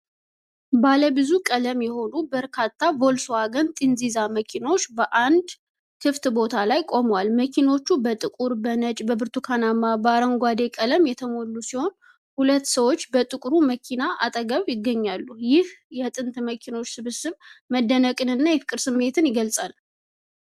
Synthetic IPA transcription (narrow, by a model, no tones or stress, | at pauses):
baləbɨzukʼələmjɛho̞nubəɾkʰat̪ʰːavo̞lsoaɡənt̪ʼinzizaməkʰino̞t͡ʃːbəʔand̪ | kʰɨft̪bo̞t̪ʰalajkʼo̞mwalməkʰino̞t͡ʃːubət̪ʼɨkʼuɾbənət͡ʃʼbəbɨɾt̪ʰukʰanamabəaɾəŋɡʷad̪e̞kʼələmjɛt̪ʰəmo̞lːusiho̞n | hulət̪ːsəwo̞t͡ʃːbət̪ʼɨkʼɾuməkʰinaʔa̰t̪ʼəɡəβjɪɡːəɲːalːujɪhjɛt̪ʼɨnt̪məkʰino̞t͡ʃːsɨβɨsɨβməd̪ːənəkʼɨnɨnːajɛfɨkʼɨɾsɨmːe̞t̪ʰɨnjɪɡəlsʼal